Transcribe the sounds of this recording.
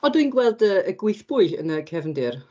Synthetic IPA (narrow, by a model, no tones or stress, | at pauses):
ɔdwinɡwɛlˠdəːɡwɪjθb̥ʊɨə̰nəkʰɛvndɪr